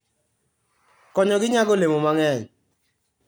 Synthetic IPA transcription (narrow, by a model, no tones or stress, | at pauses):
kɔɲɔɡɪɲaɡolemomaŋɛɲ